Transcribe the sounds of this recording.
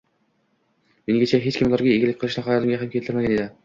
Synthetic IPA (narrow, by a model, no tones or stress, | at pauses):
meŋɡʲet͡ʃʰɛɦet͡ʃkʲimlˠɑɾɡʲɛeɡʲɪlɪk̚ʲqʰɨlˠɨʃnɨχɑjɑlˠɪmɡʲɛɦɛmkʲelt̪ʰɪɾmæɡʲɛned̪ɪ